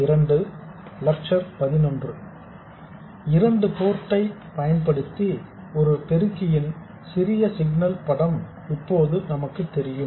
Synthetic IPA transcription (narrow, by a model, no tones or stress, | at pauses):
ɪɾɐɳɖɯlɐk̚t͡ʃɐɾpɐðɪnɔndrɯ | ɪɾɐɳɖɯpoːɾʈːɐɪpɐjɐnpɐɽɯt̪ːi | ɔɾɯpɛɾɯkːɪjɪn | sɪɾɪjɐsɪɡnɐlpɐɽɐm | ɪpːoːðɯnɐmɐkːɯt̪ːɛɾɪjɯm